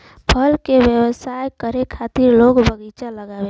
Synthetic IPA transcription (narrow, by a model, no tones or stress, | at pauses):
pʰəlkebjəwəsajkəɾekʰat̪iɾloɡbəɡit͡ʃaləɡabe